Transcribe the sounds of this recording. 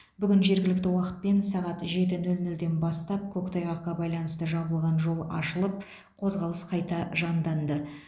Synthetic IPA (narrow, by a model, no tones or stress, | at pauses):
bʏɡʲɪnʒe̞ɾɡʲɪlɪk̚t̪ɪwɑqət̪̚pe̞nsɑʁɑt̪ʒe̞t̪ɪnɵlnɵld̪e̞nbɑst̪ɑp̚kʲʰɵkt̪ʰɑjʁɑqːɑbɑjlˠɑnəst̪əʒɑβəlˠʁɑnʒo̞lˠɑ̰ʃəlˠəp̚ | qʰo̞zʁɑlˠəsqʰɑjt̪ɑʒɑnd̪ɑnd̪ə